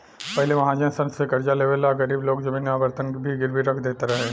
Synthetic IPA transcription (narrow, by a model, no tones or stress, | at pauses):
pɛɦleʋɐɦãd͡ʒɐ̃nsɐ̃nsekɐɾd͡ʒaleːʋəlaɡɐɾiːbloːɡd͡ʒɐmɪnaːbəɾt̪ənkbʱiɡɪɾbiɾɐkʰd̪eːt̪aɾɐɦe